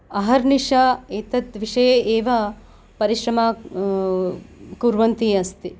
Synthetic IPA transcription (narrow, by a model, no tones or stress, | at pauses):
ɐɦɐɾniʂaet̪ɐt̪ʋiʂɐjeeːʋɐ | pɐɾiʃɾɐmaː | kuɾʋɐnt̪iɐst̪i